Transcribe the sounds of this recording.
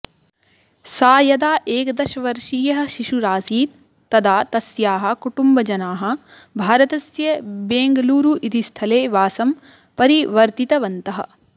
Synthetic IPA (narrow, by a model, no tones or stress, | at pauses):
saːjɐd̪aːʔeːkd̪ɐʃɐʋɐɾʂiːjɐɦɐ̆ʃiʂuɾaːsiːt̪̚ː | ɐd̪aːt̪ɐsjaːɦɐ̆kuʈumbɐd͡ʒɐnaːɦɐ̆ | bʱaːɾɐt̪ɐsjɐbeːŋɡɐluːɾuʔit̪ist̪ʰɐleːʋaːsɐm | pɐɾiʋɐɾt̪it̪ɐʋɐnt̪ɐɦɐ̰̆